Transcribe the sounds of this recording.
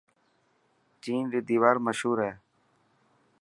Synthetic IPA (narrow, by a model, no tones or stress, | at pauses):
t͡ʃiːnɾid̪iːʋaːɾməʃɦuːɾɦɛː